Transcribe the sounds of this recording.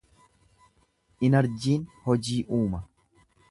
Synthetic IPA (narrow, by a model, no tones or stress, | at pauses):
ʔɪnɐɾd͡ʒiːnhɔd͡ʒiːʔuːmɐ